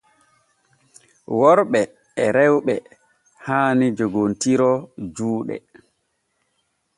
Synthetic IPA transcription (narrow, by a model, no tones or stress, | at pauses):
wɔɾɓɛː | ɾɛwɓɛ | haːnid͡ʒoɡontiɾɔd͡ʒuːɗɛ̰